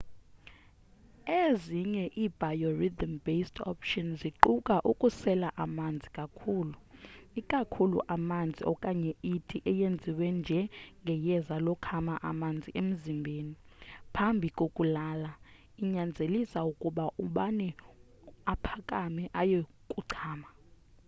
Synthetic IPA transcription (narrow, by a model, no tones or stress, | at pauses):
eziɲɛʔiːb̥ʱajɔrid̪ambestʰɔ̰pʰʃɔnziǃukʼaʔukʼusɛlaʔamand͡zʱikʼakʰuːluikʼakʰulṵʔamand͡zʱiɔkʼaɲɛitʰiʔɛjend͡zʱiwɛnd͡ʒʱɛŋɡʱɛjɛzalɔkʰamaʔamand͡zʱiʔem̩zimbʱeːnipʰambʱikʼokʼulaːla | iɲand͡zʱelisaukʼuɓaʔuɓanɛ | apʰakʼamɛʔaje | kʼuǀʰaːma